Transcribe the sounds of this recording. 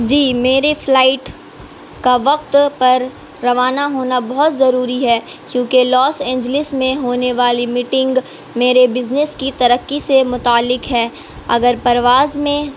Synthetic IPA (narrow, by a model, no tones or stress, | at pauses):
d͡ʒiːmeːɾeflaːɪʈ | kaʋɐqt̪pɐɾː | ɐʋaːnaɦoːnabɔɦʊt̪zɐɾuːɾiɦɛː | kjõːkelɔːsẽːɲd͡ʒlɪsmẽɦoːneʋaːlimiːʈɪ̃ŋɡ | meːɾebɪznɪskit̪ɐɾəkːisemʊt̪aːlːɪkɦɛː | ɐ̰ɡəɾpɐɾʋaːzmẽ